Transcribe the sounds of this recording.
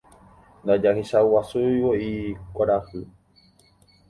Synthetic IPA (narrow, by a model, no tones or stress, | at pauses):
nd̪ad͡ʒahiʃauwasujwoikʷaɾahɨ